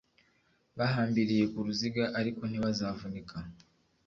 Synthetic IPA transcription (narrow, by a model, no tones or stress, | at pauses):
βaɦaːmbiɾije̞kuɾuziɡaʔaɾiko̞n̥iβazaːvunikʰa